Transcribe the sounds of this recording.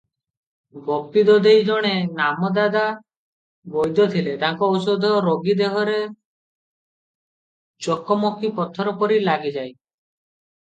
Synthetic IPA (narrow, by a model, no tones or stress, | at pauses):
bɔpid̪ɔd̪ejd͡ʒɔɽ̃enamɔd̪ad̪a | bɔjd̪ɔt̪ʰilet̪aŋkɔusod̪ʱɔɾoɡid̪eɦɔɾe | t͡ʃɔkɔmɔkipɔt̪ʰɔɾɔpɔɾilaɡid͡ʒaj